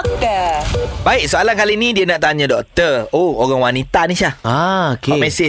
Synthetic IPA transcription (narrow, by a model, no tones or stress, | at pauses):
kəbaɪk̚soalankalinĩdiənaʔt̪aɲãdɔk̚t̪əooɣaŋwanit̪anĩʃahaokeamɛse